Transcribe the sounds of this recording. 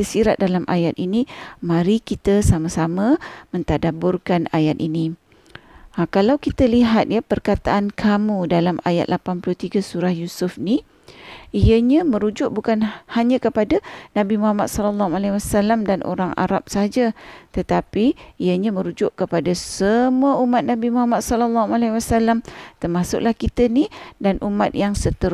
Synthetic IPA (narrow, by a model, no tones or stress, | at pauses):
səsiɾat̪̚dalamʔa̰jat̪̚inimãɾikit̪əsamãsamãmə̃nt̪adabʊrkanajat̪̚inĩ | kalawkit̪aliɦat̪̚japərkat̪aʔankʰamũdalamaja̰t̪̚lʔapanpulut̪iɡasuɾahjusʊfni | ijəɲãmə̃ɾud͡ʒʊʔ̚bukanhaɲə̃kəpadanãbimuhamat̪̚sɔlɔlːahualewasalamdanʔo̰ɾaŋa̰ɾap̚saɦad͡ʒat̪ət̪apiijəɲamə̃ɾud͡ʒʊʔkəpadasəmuəumat̪̚nãbimuɦamat̪̚sɔlɔlːaɦualawasalamt̪ərmasʊ̰ʔlahkit̪ənidanʔumat̪̚jaŋsət̪əɾ